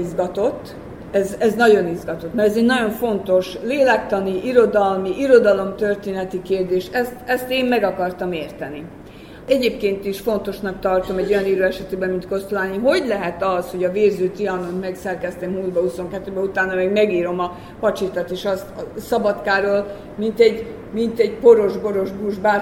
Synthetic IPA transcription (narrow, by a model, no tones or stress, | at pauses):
izɡɒt̪o̞t̪ː | ɛzɛznɒɟo̞nizɡɒt̪o̞t̪mɛɾɛzɛɟnɒɟo̞ɱfo̞nt̪o̞ʃleːlɛkt̪ɒniʔiɾo̞d̪ɒlmiʔiɾo̞d̪ɒlo̞mt̪ø̞rt̪eːnɛt̪ikeːrd̪eːʃɛst̪ɛst̪eːmmɛɡɒkɒrt̪ɒmeːrt̪ɛni | ɛɟeːp̚keːnt̪iʃfo̞nt̪o̞ʃnɒkt̪ɒrt̪o̞mɛɟːo̞jɒniːɾøːɛʃɛt̪eːbɛmint̪ko̞st̪ulaːniɦo̞ɟlɛɦɛt̪ɒsho̞ɟɒveːzøːt̪iɒnont̪mɛksɛrkɛst̪emhuːlbɒhuso̞ŋkɛt̪ːøːbɛut̪aːnːɒmɛɡmɛɡiːɾo̞mɒ | pɒt͡ʃit̪ɒt̪eːʃɒst̪sɒbɒt̪kaːɾoːl | mint̪ɛɟ | mint̪ɛɟpo̞ɾo̞ʒbo̞ɾo̞ʒbuʒbaː